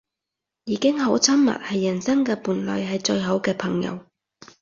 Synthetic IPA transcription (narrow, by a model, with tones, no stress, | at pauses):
jiː˨˧kɪ˥ŋɦo˨˥wt͡sʰɐ˥mmɐ̰˨t̚hɐ˨jːɐ˨˩nsɐ˥ŋkɛː˧puː˨˩nlœ̰ː˨jhɐ˨jt͡ʃɵ˧ɥɦo˨˥wkɛː˧pʰɐ˨˩ŋjɐ̰˨˧w